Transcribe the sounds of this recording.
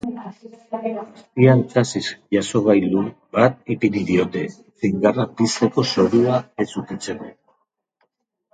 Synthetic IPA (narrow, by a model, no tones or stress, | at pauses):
st̪iant͡sasisʝaso̞β̞ajlu | bat̪̚ipiɾiðio̞t̪e̞ | sejŋɡarapist̪eko̞so̞ɾuae̞sukit͡se̞ko